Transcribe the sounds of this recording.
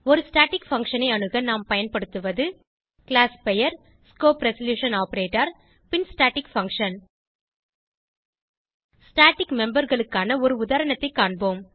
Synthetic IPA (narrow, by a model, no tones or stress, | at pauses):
ɔɾɯsʈaːʈɪkfɐŋkʂɐnɐɪɐɳɯɣɐnaːmpɐjɐnpɐɽɯt̪ːɯʋɐðɯ | kɭaːspɛjɐɾ | skoːpɾɛsɐljuːʂɐnaːpɐɾeːʈːɐɾ | pɪnsʈaːʈɪkfɐŋkʂɐn | sʈaːʈɪkmɛmbɐɾɣɐɭɯkːaːnɐɔɾɯʊðaːɾɐɳɐt̪ːɐɪkːaːɳboːm